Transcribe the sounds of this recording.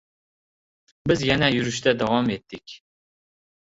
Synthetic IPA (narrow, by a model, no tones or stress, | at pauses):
bɪzjanajʊɾɪʃt̪ad̪avɒme̞t̪ːɪkʲ